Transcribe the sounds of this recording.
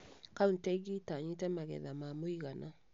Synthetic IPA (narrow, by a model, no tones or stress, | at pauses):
kauntɛɡitaɲitɛmaɡɛ̰ðamamoiɣana